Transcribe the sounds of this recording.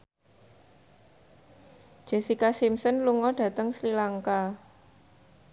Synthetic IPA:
d̥ʒ̥ɛ̤sikasimsənluŋɔɖ̥ä̤t̪əŋslilaŋka

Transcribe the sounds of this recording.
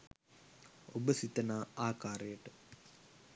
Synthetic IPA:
obəsit̪ɐnaːaːkaːɾejəʈə

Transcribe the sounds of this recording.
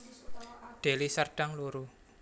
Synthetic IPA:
ɖ̪̥e̤lisərɖ̥aŋluɾu

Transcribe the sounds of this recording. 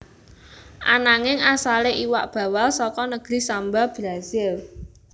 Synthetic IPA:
ʔanaŋɪŋasaleʔiwa̰ʔb̥ä̤walsɔkɔnəɡ̥ɾi̤sambab̥ɾasɪl

